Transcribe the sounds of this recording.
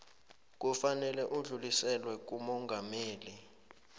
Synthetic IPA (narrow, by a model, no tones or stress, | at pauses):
k̬ufanɛlɛʔuɮulisɛlwɛk̬umɔŋɡʱameːli